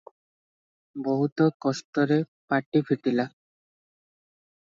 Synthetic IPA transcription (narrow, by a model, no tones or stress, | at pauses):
bɔɦut̪ɔkɔst̪ɔɾe | paʈipʰiʈila